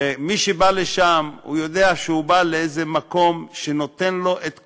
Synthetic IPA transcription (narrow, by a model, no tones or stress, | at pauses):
miʃebaleʃamhṵjo̞d̪eaʃehubaleejzemako̞mʃeno̞t̪enlo̞ʔet̪